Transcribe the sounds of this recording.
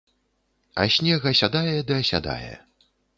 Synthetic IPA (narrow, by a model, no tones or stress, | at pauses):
ɐ̰sʲnʲɛɣɐsʲad̪ajɛd̪ɨɐsʲa̰d̪a̰jɛ̰